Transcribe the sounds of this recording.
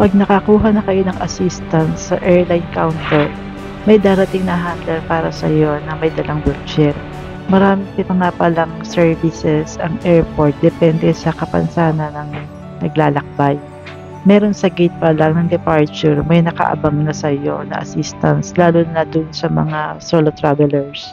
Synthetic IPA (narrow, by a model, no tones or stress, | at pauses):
pɐɡ̚nɐkɐkuːɦɐnɐkɐjo̞nɐŋʔɐsist̪ɐnsːɐʔɛɹlajnkawnt̪ɛɹ | mɐjd̪aːɾɐt̪ɪŋnɐɦanlɐnpaːɾɐsɐ̰jonɐŋmɐjd̪ɐlɐŋwɛlt͡ʃɛɾ | mɐɾaːmɪŋpɪnɐŋapɐlaŋsɛɹvɪsɛsɐŋʔɛɹpo̞ɾt̪̚d̪ɛpɛnd̪ɛsɐkɐpɐ̰nsaːnɐnɐŋ | nɐɡ̚laːlɐk̚baj | mɛːɾonsɐɡɪt̪̚pɐlɐŋnɐŋd̪ɛpaɹt͡ʃʊɹmɐjnɐkɐ̰ʔɐ̰baŋnɐsɐjo̞nɐ̰ʔɐ̰sist̪ɐnslaːlʊnɐd̪ʊnsɐmɐ̰ŋasoːlot̪ɾavɛlɛɹs